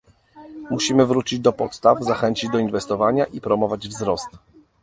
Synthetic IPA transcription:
muɕimɘvɾut͡ɕid͡ʑd̪ɔpɔt̪st̪avzaxɛɲt͡ɕid͡ʑd̪ɔinvɛst̪ɔvaɲaʔipɾɔmɔvad͡ʑvzɾɔst̪

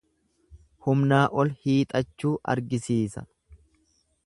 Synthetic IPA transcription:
hʊmnaːʔɔlhiːt̪ʼɐt͡ʃːuːʔɐ̰ɾɡɪsiːsɐ̰

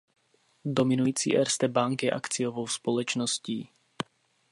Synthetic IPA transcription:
domɪnujiːt͡sḭːʔɛɾst̪ɛbaŋkjɛʔa̰kt͡sɪjovowspolɛt͡ʃnosciː

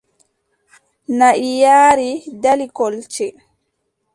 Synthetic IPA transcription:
naʔijaːɾidalikɔlt͡ʃɛ

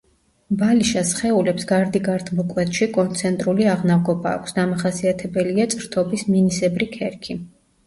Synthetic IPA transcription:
baliʃasχɛulɛpsɡaɾd̪iɡaɾt̪ʰmɔkʼwɛt̪ʰʃikʼɔnt̪sʰɛnt̪ʼɾuliaʁnavɡɔbaːkʷʰsd̪amaχasiat̪ʰɛbɛliat̪sʼɾt̪ʰɔbisminisɛbɾikʰɛɾkʰi

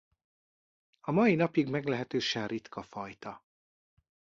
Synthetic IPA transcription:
ɒmɒjinɒpiɡmɛɡlɛɦɛt̪øːʃɛnrit̪kɒfɒjt̪ɒ

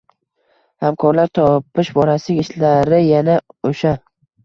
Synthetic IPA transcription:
hamkʰɒɾlaɾt̪ʰɒpɪʃbɒɾasɪɡʲɪʃlaɾɪjanaoʃa

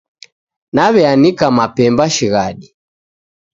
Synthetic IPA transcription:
naβɛanikamapɛmbaʃiɣaɗi

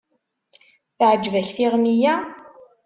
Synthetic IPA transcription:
θʕəd͡ʒːvæɬθiʁmijæ

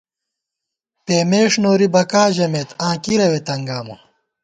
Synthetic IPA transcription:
peːmeːʂnoːɾibɐkaːʑɐmeːt̪ãːkiɾɐwet̪ɐŋɡaːmo̰

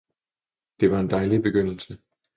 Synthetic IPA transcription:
d̥e̝ʋɑ̈e̝nd̥ɑ̈ɪlib̥e̝ɡ̥øn̰l̩sə

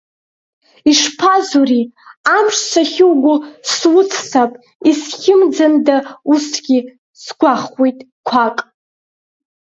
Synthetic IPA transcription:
iʂpʰazuriamʂt͡sʰaχʲɪwɡʷʊlswʊt͡sʰsapʼ | isχʲɪmd͡zandausɡ̥ʲi | sɡʷaχwejtʼ | kʷʰaqʼ

